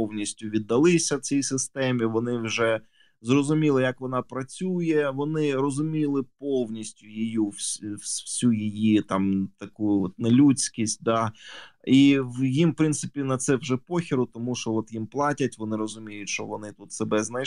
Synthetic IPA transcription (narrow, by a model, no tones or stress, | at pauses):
ɔwnʲisʲtʲʊʋʲid̪ːɐlˠɪsʲɐwt͡sʲijsɪst̪ɛmʲiʋɔnɪwʒɛ | zrɔzʊmʲilˠɪjɐkʋɔnɑpɾɐt͡sʲujɛʋɔnɪɾɔzʊmʲilˠɪpoɔwnʲisʲtʲʊjijuwswsʲujijit̪ɑmt̪ɐkujʊɔt̪̚nelʲut͡sʲkʲisʲt̚ʲd̪ɑ | iwjimpɾɪnt̪sɪpʲinɐt̪sɛwʒɛpɔxʲɪɾʊt̪ɔmuʃt͡ʃɔɔt̪jimplˠɑtʲɐtʲʋɔnɪɾɔzʊmʲijʊtʲʃt͡ʃɔʋɔnɪt̪ut̪sebɛznɐj